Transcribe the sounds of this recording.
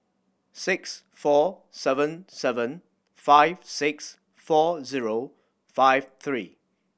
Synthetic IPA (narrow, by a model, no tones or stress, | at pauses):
sɪks | fɔ | sɛvə̃nsɛvə̃n | faɪv̥sɪks | fɔziɹo | faɪv̥θʰɹḭː